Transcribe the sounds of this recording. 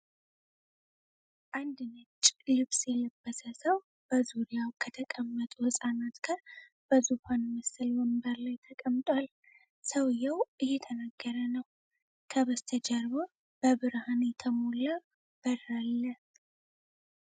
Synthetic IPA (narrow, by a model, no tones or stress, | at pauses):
ʔand̪ɨnɨt͡ʃʼːlɨβsʼjɛləbːəsəsəw | b̥əzuɾijawkʰət̪ʰəkʼəmːət̪ʼuhɨsʼanat̪ɡ̥aɾ | b̥əzuhanməsɨlwəmbəɾlajt̪ʰəkʼəmt̪ʼwal | səwɨjawʔɨjɛt̪ʰənaɡːəɾənəw | kʰəβəst̪ʰəd͡ʒɛɾβo | b̥əβɨɾhanet̪ʰəmolə | b̥əɾalːə